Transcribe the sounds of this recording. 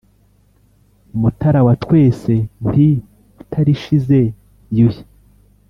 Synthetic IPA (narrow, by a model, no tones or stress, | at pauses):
umutaɾawatwe̞ːse̞ni | utʰaɾiʃize̞ | juji